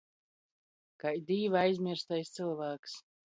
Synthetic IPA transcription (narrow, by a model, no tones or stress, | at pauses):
kajd̪ʲiːvajzʲmʲiɾst̪ajst̪sɨlˠvaːks